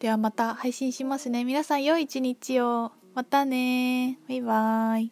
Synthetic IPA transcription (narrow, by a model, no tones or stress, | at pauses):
d̪̥e̞βamat̪ahaiɕĩɰ̃ɕimasɨne̞mʲinasãɰ̃jo̞iːt͡ɕiɲ̟it͡ɕio | mat̪ane̞βaiβai